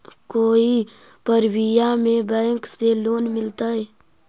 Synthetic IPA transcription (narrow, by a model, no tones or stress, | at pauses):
koːi | pəɾwijamẽbəjŋkseloːnmɪlt̪aɛ